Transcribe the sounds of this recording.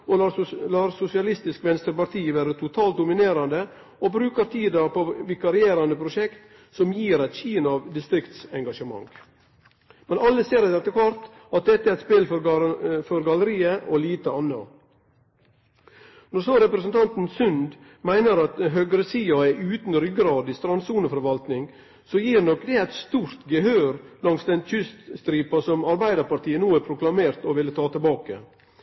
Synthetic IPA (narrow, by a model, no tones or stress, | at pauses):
olɑːɾsʊsɪɑlɪst̪ɪskʋɛnst̪əɾpɑɾt̪ʰiːəʋæːɾət̪ʰʊt̪ʰɑːlt̪̚d̪ʊmɪneːɾɑnd̪ə | obɾʉːkəɾt̪ʰiːd̪ɑpoːʋɪkɑɾɪeːɾɑnd̪əpʰɾʊʃɛkt̪ | sɔmjiːɾæɪt̪ʃiːnɑʋd̪ɪst̪ɾɪkt̪sɛŋɡɑʃəmɑ̰ŋ | mɛnɑlːəseːɾɪd̪ɛt̪ːəkʰʋɑɾt̪ | ɑt̪̚d̪ɛt̪ːəæɾɛt̪speːlfɔfɔɾɡɑləɾiːəʔoliːt̪əɑnːɑ̰ | nɔɾsoɾɛpɾəsənt̪ʰɑnt̪n̩sʉnd̪ | mæɪnəɾɑt̪ɦøːɡɾəsiːɑɛʔʉːt̪n̩ɾʏɡɾɑːd̪ɪst̪ɾɑnsuːnəfɔɾʋɑlt̪nɪŋ | sɔjiːɾnɔkːd̪ɛæɪt̪st̪uːɾt̪ɡəɦøːɾlɑŋsd̪ɛnçʏst̪st̪ɾiːpɑsɔmɑɾbæɪd̪əɾpɑɾt̪ʰiːənuːæːɾpʰɾʊklɑmeːɾt̪ɔʋɪlːət̪ʰɑːt̪ʰɪlbɑːkə̰